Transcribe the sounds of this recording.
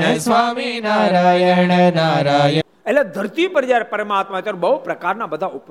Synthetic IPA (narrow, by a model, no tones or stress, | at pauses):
sʋaminaːɾaːjenenaɾaj | elled̪ʱəɾt̪ipəɾd͡ʒaɾepəɾəmaːt̪̚maet̪əɾ̃bəɦupɾəkaɾnabəd̪ʱaup